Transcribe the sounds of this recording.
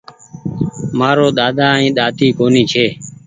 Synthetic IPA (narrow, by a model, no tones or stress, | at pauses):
maːɾoːɗ̪aːd̪aːĩːɗ̪aːt̪iːkoːniːt͡ʃʰeː